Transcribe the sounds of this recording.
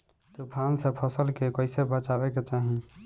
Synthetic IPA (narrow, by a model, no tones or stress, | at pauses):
t̪opʰansəpʰəsəlkekəɪsebət͡ʃaɾɛket͡ʃaɦi